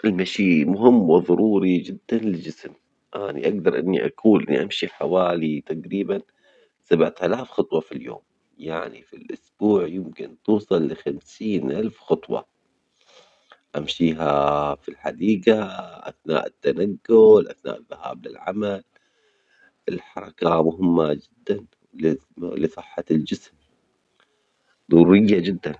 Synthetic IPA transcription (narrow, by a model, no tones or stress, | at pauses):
ʔɪlmaʃiːmʊɦɪmːwɪðˤɑɾˤuːɾid͡ʒɪd̪ːanlɪd͡ʒɪsm | ʔanḭʔaɡ̚d̪ɑɾˤʔɪnːḭʔa̰kʰuːlʔɪnːiʔamʃiħawaːlit̪aqɾiːban | sabʕt̪alaːfxɑt̪ˤwɑfiljo̰ːm | jaʕnḭfilʔʊsb̥uːʕjɪmkɪnt̪uːsˤɑlːɪxamsiːnʔalfxɑt̪ˤwɑ̰ | ʔamʃiːɦafilħad̪iːɡaʔa̰θna̰ːʔɪt̪ːanaɡːʊlʔaθna̰ːʔɪðːaha̰ːblɪ̰lʕa̰mal | ʔɪlħɑɾˤɑkamʊɦɪmːad͡ʒɪd̪ːan | llisˤɨħːɑld͡ʒɪsm | d̪ˤʊɾɾɪjːad͡ʒɪd̪ːan